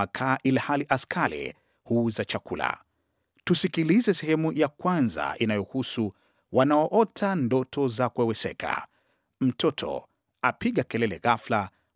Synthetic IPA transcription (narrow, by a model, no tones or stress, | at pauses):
akʰaːʔilhaliʔaskʰalḭ | huzat͡ʃakula̰ | tusikilizɛsɛhɛmujakwanza̰ʔinajɔhusu | wanaɔʔɔtʰandɔtʰɔzakuɛwɛsɛ̰kʰa̰ | m̩tʰɔtʰɔ̰ | apiɠakɛlɛlɛɣafla